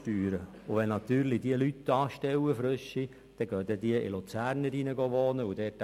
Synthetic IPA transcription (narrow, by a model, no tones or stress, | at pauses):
tyːɾə | ʊʋɛnɑt̪yːɾlidiəlyt̪ːɑːʃtɛwəfɾøʃi | d̥ɛɡ̥œd̪ɛdiəʔɪ̰lut͡sæːɾnəɾinəɡoʋoːnəʊd̥̪ɛːt